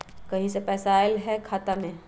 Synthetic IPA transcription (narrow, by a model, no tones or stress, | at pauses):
kɐɦĩsepɛːsaɪlɦɛkʰaːt̪amẽː